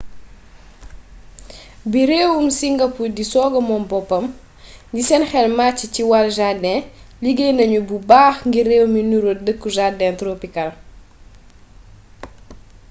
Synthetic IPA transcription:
biɾeːwumsiŋɡɐpudisɔːɡɐmɔmbɔpːɐm | ɲɟisɛnxɛlmat͡ʃːiciwalʒadɛliɡenɐɲububaːxŋɡireːwminuɾodəkːuʒadɛntɾoːpikɐl

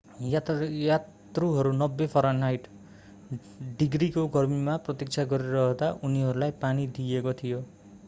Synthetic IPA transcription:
jat̪ | ruɦʌɾunʌbːepʰʌɾʌnːajʈ | ɖiɡrikoɡʱʌrmimaprʌt̪ik̚t͡sʰaɡʌɾiɾʌɦʌd̪aʔuniɦʌɾulajpanid̪iekot̪ʰijo

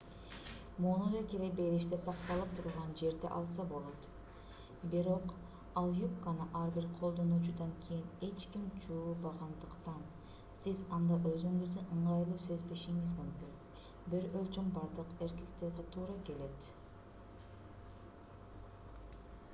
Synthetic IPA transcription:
muːnud̪ɑkeɾebe̞ɾiʃt̪esɑqt̪ɑlˠɯp̚t̪ʰuɾʁɑnd͡ʒe̞ɾd̪ḛʔɑlˠsɑbo̞lˠo̞t̪ | biɾo̞q | ɑlˠjupkɑnɯʔɑɾbiɾqʰo̞lˠd̪o̞nuːt͡ʃud̪ɑŋkʲʰejine̞t͡ʃkimt͡ʃuːlˠbɑʁɑnd̪ɯqt̪ɑn | sizɑnd̪ɑʔøzyŋyzd̪ynɯɴʁɑjlˠuːsøzbe̞ʃiŋizmumky | biɾølʲt͡ʃombɑɾd̪ɯqe̞ɾkekt̪eɾɡ̪et̪ʰuːɾɑke̞le̞t̪

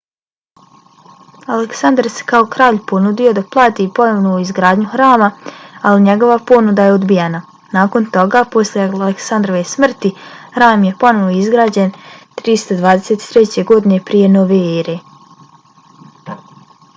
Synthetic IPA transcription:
aleksand̪ɾse̥kaokɾaːʎpo̞nud̪ijo̞d̪aplˠaːt̪ipo̞noʋnouizɡɾaːd̪ɲuxɾaːmaaliɲe̞ɡo̞ʋapo̞nud̪ajeod̪bijena | naːko̞nt̪o̞ɡaːpo̞sljealeksand̪ɾoʋesmr̩t̪ihɾaːmje̞po̞no̞ʋoizɡɾaːd͡ʑe̞nt̪ɾist̪od̪ʋaːd̪eseːt̪i̥t̪ɾet͡ɕe̞ɡo̞d̪ine̞pɾije̞no̞ʋe̞eːɾe

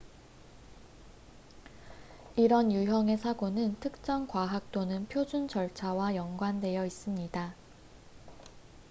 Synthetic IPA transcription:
iɾʌnjuɦjʌŋe̞sʰaɡonɯntʰɯk̚t͡ɕ͈ʌŋkwaɦak̚t͈onɯnpʰjod͡ʑund͡ʑʌɭt͡ɕʰawajʌŋɡwande̞jʌis͈ɯmɲida

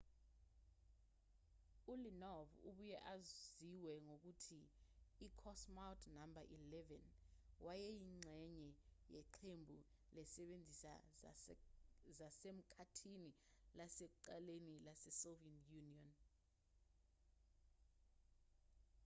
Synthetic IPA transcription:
ulinɔvṵɓujɛʔaziwɛŋok̬utʰiː | kʰɔsmawtʰʼnambʱaʔilɛvɛnwʔajɛjiŋ͡ǀʱɛɲɛjɛǃʰembʱu | lɛsɛɓend͡zʱisa̰ | zasem̩kʰatʰinilasek̬uǃalenilasɛsovɛnjuniɔn

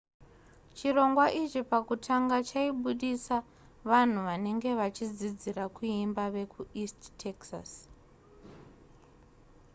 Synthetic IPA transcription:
t͡ʃiro̞ŋɡwaʔit͡ʃipakutʰaŋɡat͡ʃaiɓuɗisa | ʋan̤uʋane̞ŋɡe̞ʋat͡ʃid͡zid͡ziɾakuimbaʋe̞kuisttʰːeksa̰s

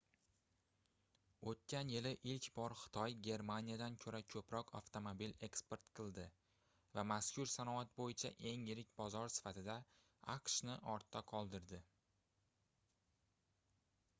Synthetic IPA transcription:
ot̪̚kʲʰanjɪlɪʔɪlkʲbɒɾχɨ̥t̪ʰɒjɡʲe̞ɾmanijad̪ankʲʰɵɾakʲʰɵpɾɒqʰa̰ft̪omobile̞kspe̞ɾt̪qʰɨlˠd̪ɪ | vamaskʲʰʊɾsanɒat̪̚bojɪt͡ʃʰa̰ʔe̞ŋjɪɾɪkʲbɒzɒɾsɪ̥fat̪ʰɪd̪a | aqʃnɪʔɒɾt̪ʰːaqʰɒlˠd̪ɪɾd̪ɪ

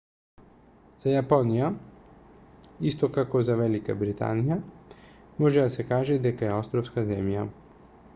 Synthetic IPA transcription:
z̥ajaponija | ist̪ɔkakozavɛlika̰bɾit̪a̰nija | mɔʒɛd̪asɛkaːʒɛd̪ɛkaɛost̪ɾɔfskazɛmja

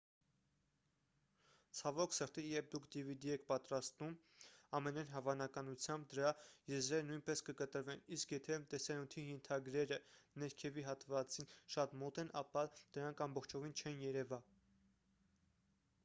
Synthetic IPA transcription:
t͡sʰɑvɔkʰsəɾt̪ijɛp̚d̪ukʰd̪ivid̪iɛkʰpɑt̪ɾɑst̪um | ɑmɛnɑjnɦɑvɑnɑkɑnut͡sʰjɑmb̚d̪əɾɑjɛzɾɛɾənujnpɛskəkət̪əɾvɛniskjɛt̪ʰɛt̪ɛsɑnut̪ʰijɛnt̪ʰɑɡɾɛɾənɛɾkʰɛviɦɑt̪vɑt͡sinʃɑt̪mɔt̪ɛnʔɑpɑd̪̥əɾɑŋkʰɑmbɔχt͡ʃʰɔvint͡ʃʰɛnjɛɾɛvɑ

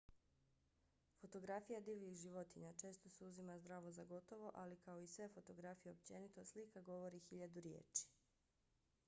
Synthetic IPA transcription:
fo̞t̪o̞ɡɾafijad̪iːʋixʒiʋo̞t̪iɲat͡ʃe̞ːst̪o̞suzimazd̪ɾaːʋo̞zaɡo̞t̪o̞ʋo̞ʔalikao̞isʋefo̞t̪o̞ɡɾafijeop̚t͡ɕe̞nit̪o̞slikaɡo̞ʋo̞ɾixiʎad̪uɾje̞̰ːt͡ʃi̥

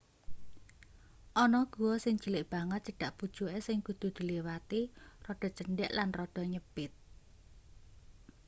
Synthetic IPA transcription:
ʔɔnɔɡ̥ṳwɔsɪŋd͡ʒəlɪʔb̥aŋət̪̚t͡ʃəɖ̥a̤ʔpud̥ʒ̥uesɪŋkud̪̥ṳd̪̥i̤liwat̪irɔɖ̥ɔ̤t͡ʃəɳɖɛʔlanrɔɖ̥ɔ̤ɲəb̥ɪt̪̚

